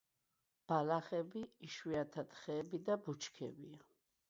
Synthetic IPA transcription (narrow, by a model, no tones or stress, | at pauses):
b̥alaχɛbiːʃwiat̪ʰat̪χɛːbid̪abut͡ʃʰkʰɛ̰bia